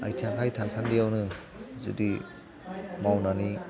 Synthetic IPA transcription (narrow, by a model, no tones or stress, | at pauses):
a̰jtʰaŋkʰajtʰasandijawnɯ | zṵdi | mawnani